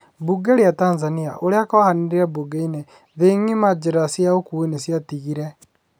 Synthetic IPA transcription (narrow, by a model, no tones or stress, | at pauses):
buɡɛɾeatanzaniaʔoɾeakɔhaneɾeɾabuɡeine | ðeŋimad͡ʒeɾasjaokuenesjatiɣiɾɛ